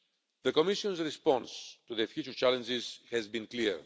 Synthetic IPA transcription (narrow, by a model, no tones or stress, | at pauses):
ðəkomiʃiõnzɾispɔ̃nstuðəfjut͡ʃuɾt͡ʃalə̃nd͡ʒiz̥hɛzbĩnkliɹ